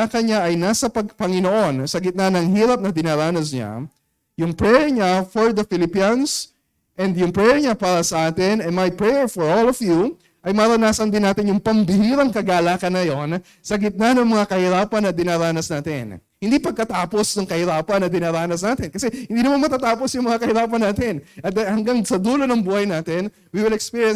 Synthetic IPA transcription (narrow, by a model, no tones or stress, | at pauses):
akɐnɲaʔɐjnaːsɐpɐɡ̚pɐŋɪnoʔo̞nsɐɡɪt̪̚nanɐŋhiːɾɐp̚nɐd̪ɪnaɾaːnɐsɲa̰ | jʊŋpɹɛɹɲafoɹd̪ɐfɪlɪpiɐns | ʔɛnd̪jʊŋpɹɛɹɲapaːɾɐsɐʔaːt̪ɪnɛnmɐjpɹɛjɛɹfoɹolɔvju | ʔɐjmaːɾɐnaːsɐnd̪ɪnːaːt̪ɪɲjʊŋpɐmbɪhiːɾɐŋkɐɡaːlaːkɐnːɐjon | sɐɡɪt̪̚nɐnɐŋmɐŋakɐhɪɾaːpɐnːɐd̪ɪnaːɾaːnɐsnaːt̪ɪ̰nhɪ̃nd̪iːpɐɡ̚kɐt̪aːpo̞snɐŋkɐhɪɾaːpɐnːɐd̪ɪnaːɾaːnɐs̬naːt̪ɪnkɐsɛhɪnd̪iːnɐmanmɐt̪aːt̪aːposjʊŋmɐŋakɐhɪɾaːpɐnːaːt̪ɪnʔɐt̪d̪hɐŋɡaŋsɐd̪uːlo̞nɐŋbuːhɐjnaːt̪ɛn | wiwɪlɛkspiɹjɛ̃n